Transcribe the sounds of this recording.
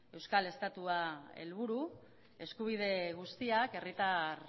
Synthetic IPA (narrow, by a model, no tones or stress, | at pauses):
e̞wskale̞st̪at̪uae̞̰lβ̞uɾu | e̞skuβ̞ið̞e̞ɣ̞ust̪iake̞rit̪ar